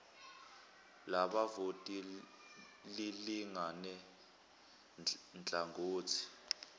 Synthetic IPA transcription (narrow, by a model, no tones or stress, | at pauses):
laɓavotʼi | liliŋanɛ | nd͡ɮʱʼaŋɡʱoːt͡sʰi̥